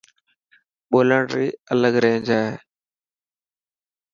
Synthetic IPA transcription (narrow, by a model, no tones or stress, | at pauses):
ɓoːləɳɾiːələɡɾẽːnd͡ʒaːɦeː